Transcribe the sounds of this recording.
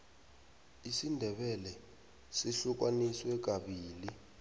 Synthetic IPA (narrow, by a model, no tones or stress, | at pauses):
isindʱɛɓɛlɛ | siɬuk̬waniswɛk̬aɓiːli